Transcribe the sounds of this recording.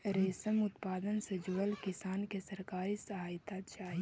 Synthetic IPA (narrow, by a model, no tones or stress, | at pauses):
ɾeːsəmʊt̪paːd̪ənsed͡ʒʊʋəlkɪsaːnkesɐɾkaːɾisɐɦaːjt̪at͡ʃaːɦi